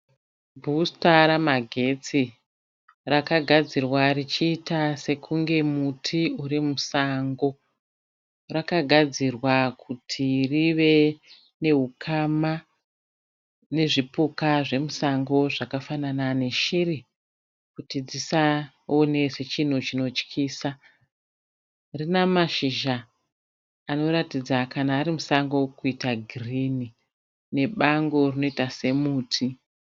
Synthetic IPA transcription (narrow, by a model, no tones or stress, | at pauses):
bʱustaɾamaɡʱe̞t͡si | rakaɡʱad͡zirwarit͡ʃiːtase̞kʰuŋɡe̞mutʰiuɾimusaŋɡo̞ | rakaɡʱad͡zirwakʰutʰiriʋe̞ | ne̞ɦukʰama | ne̞ʐipukaʐe̞musaŋɡo̞ʐakafananane̞ʃiri | kutid͡zisa | one̞set͡ʃin̤ut͡ʃino̞t͡ʃkʰiːsa | rinamaʃiʒaː | no̞ɾatid͡zakanaːɾimusaŋɡo̞kuitaɡʱirini | ne̞ɓaŋɡo̞rino̞itase̞muːtʰi